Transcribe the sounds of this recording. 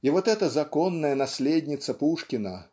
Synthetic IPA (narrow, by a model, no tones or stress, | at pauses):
ivɔt̪ɛt̪ɐzakɔnːɐjɐnasʲlʲed̪ʲnʲit̪sɐpuʂkʲinɐ